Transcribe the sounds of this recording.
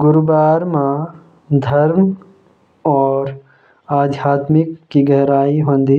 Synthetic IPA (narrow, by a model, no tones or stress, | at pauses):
ɡʊɾbaːɾmã | d̪ʱɐɾm | ɔːɾ | aːd̪ʱjaːt̪mɪkːiɡɛɦɾaːiɦõːnd̪iː